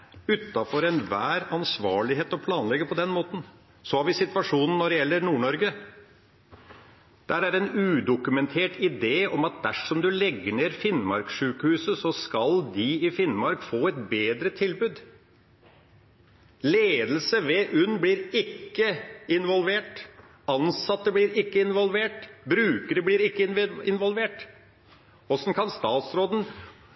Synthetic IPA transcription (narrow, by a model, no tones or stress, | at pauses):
ʉt̪ːɑfɔɾɛnʋæːɾɑnsʋɑːɭɪɦeːt̪ɔpʰlɑːnlɛɡːəpʰɔd̪ɛnmoːt̪n̩ | sɔhɑɾʋɪsɪt̪ʋɑʂuːnn̩ːɔɖɛjɛlːəɾnuːɳɔɾɡə | d̪̥æɾæɾɛnʉːd̪ʊkʉmɛnt̪ʰeːʈɪd̪eːɔmɑt̪̚d̪æʂɔmd̪ʉlɛɡːəɳeːɾfɪnmɑ̰ɾkʂʉːkəhʉːsəsɔskɑld̪ɪɪfɪnmɑɾkfoːɛt̪beːd̪ɾət̪ʰɪlbʉːd̪ | leːd̪lsəʋeːʔʉnbliːɾɪkːəɪnʋɔlʋeːʈ | ɑnsɑt̪ːəbliːɾɪkːəɪnʋɔlʋeːʈbɾʉːkəɾəbliːɾɪkːəɪnʋɔlʋeːʈ | ɔsɔnkʰɑnst̪ɑːt̪sɾoːd̪ən̩